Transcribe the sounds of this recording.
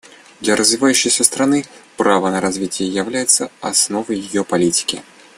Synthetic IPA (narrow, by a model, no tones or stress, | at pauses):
d̪lʲɐɾʔəzvʲɪvajʉɕːɪjsʲəst̪ɾɐnɨpɾavənəɾɐzvʲitʲɪjəjɪvlʲæjɪt̪səɐsno̞vəjːɪjopɐlʲitʲɪ̥kʲɪ